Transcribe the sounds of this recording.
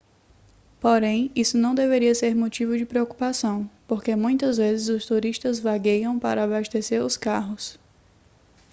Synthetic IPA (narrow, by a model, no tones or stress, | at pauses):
poɾẽj̃isʊnɐ̃w̃d̪eveɾiɐseɾmot͡ʃivʊd͡ʒɪpɾeoku̥pasɐ̃w̃poɾkemũj̃t̪ɐzvezɪzʊst̪uɾiʃt̪ɐzvaɡejɐ̃w̃pa̰ɾɐabaʃt̪eseɾʊskaɦʊs